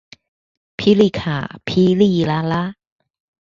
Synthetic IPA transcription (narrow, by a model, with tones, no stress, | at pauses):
pʰi˦li˧˨kʰa̰ː˨˩pʰi˧˦li˧la˧˦la˦